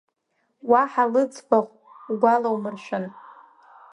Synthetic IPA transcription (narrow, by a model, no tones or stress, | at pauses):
waħalɨt͡sʰʼbʷaχʷ | ɡʷalawmɨrʃʷᶣʊn